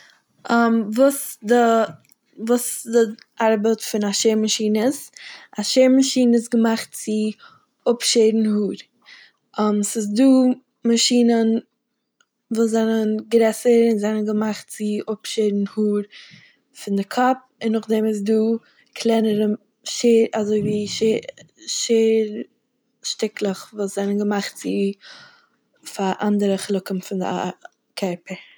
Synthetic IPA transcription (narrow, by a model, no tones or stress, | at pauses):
amvuːsdə | vuːsdɪ | ʔaɾbətfɪnaʃeːɾmaʃiːnəsaʃeɪɾmaʃiːnəɪs̬ɡəmaχt̚t͡sɪ | ʊpʃeɪdn̩huːɾ | amsɪs̬duː | maʃiːnən | voːzɛnənɡɾɛsəɾɪnzɛnənɡəmaχtt͡sɪʔʊpʃedn̩huːɾ | fɪndɪkʰɔp̚ | ɪnːʊχdɛmɪs̬duː | kʰlˠɛnəɾə | ʃeːɾazoɪviːʃe | ʃeːɾ | ʃtɪklˠəχvuːsz̥ɛnənɡəmaχtt͡sɪ | faʔandəɾəχlˠʊkən̩fɪndɪ̰ | kʰɛɾpəɾ